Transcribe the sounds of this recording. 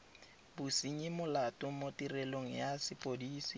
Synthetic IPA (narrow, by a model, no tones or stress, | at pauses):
busiɲimʊlatʼʊmotʼirɛloŋ̩jasɪpʼodiːsi